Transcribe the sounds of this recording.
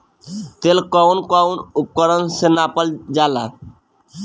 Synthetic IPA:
t̪elkɔwnkɔwnup̚kɔɾɔnsenapald͡ʒala

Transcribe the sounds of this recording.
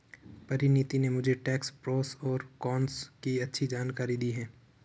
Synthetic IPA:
pɐɾɪnit̪inemʊd͡ʒʱeʈɛːkspɾoːsɔːɾkɔːnskiɐtːʃʰid͡ʒaːnkaːɾid̪iːɦɛ̃ː

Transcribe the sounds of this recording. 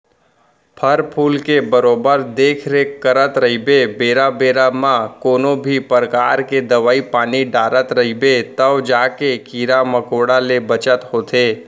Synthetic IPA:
pʰəɾpʰuːlkebəɾoːbəɾd̪eːkʰɾeəɾət̪ɾəɦibebeːɾabeːɾamãkoːnobʱipəɾəkaːɾked̪əʋaːipaːniɖaːɾət̪ɾəɦibet̪əʋd͡ʒaːkekiːɾaməkoːɽalebət͡ʃət̪ɦoːt̪ʰe

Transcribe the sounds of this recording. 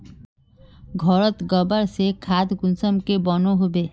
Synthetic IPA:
ɡʱɔɾət̪ɡəbəɾsekʰaːd̪ɡʊnsəmkebɔnoɦobeː

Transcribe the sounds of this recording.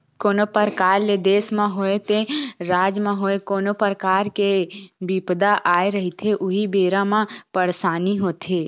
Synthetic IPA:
koːnopəɾkaːɾled̪eːsmãɦoːet̪eɾaːd͡ʒmãɦoːekoːnopəɾkaːɾkebipd̪aʔaːeɾəɦit̪ʰeʔʊɦibeːɾãmãpəɽsaːniɦoːt̪ʰeː

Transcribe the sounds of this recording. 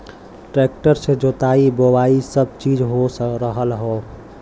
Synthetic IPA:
ʈɾeːk̚ʈəɾsed͡ʒot̪aibowaisəb̚t͡ʃiːd͡ʒɦosəɾəɦəlɦo

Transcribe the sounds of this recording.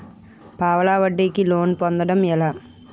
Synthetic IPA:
paːʋɐlaːʋɐʈːɐɪkːɯloːnpond̪ɐɽɐmɛlɐ

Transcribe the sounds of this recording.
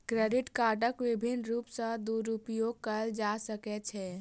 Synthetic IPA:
kɾɛɖɪʈkaːʈəkʋɪbʱɪnɾuːpsə̃d̪uɾupjoɡ̚kəld͡ʒasəkɛt͡ʃʰɛː

